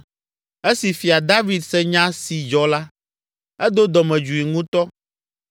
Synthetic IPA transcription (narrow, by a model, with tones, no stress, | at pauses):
e˦si˨fi˨a˨d̪a˦vi˨d̪sɛ˦ɲã˦si˨d͡ʒɔ˦la˦ | ɛ˦d̪o˦d̪ɔ˨mɛ̃˨d͡ʒu˨i˨ŋũ˦t̪ɔ˦